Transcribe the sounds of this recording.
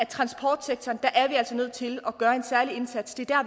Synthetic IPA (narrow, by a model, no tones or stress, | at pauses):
æt͡sʰʁɑ̈nsb̥ʰɒːd̥seɡ̥̚t͡sʰɒːnd̥æ̈ʔæɐʋiæl̰sɒ̽nøð̰ˠt͡sʰe̝lɒ̽ɡ̥ɶːɐe̝nsæɐlie̝nsæd̥sd̥e̝æɐd̥æɐ